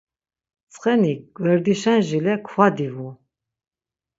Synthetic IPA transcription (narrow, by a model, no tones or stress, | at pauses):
t͡sʼχɛniɡ̥ʼwɛɾd̪iʃɛnʒilɛkʰwad̪ivu